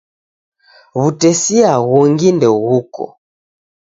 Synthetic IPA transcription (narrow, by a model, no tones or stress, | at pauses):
βutɛsiaɣɔŋɡindɛɣukɔ̰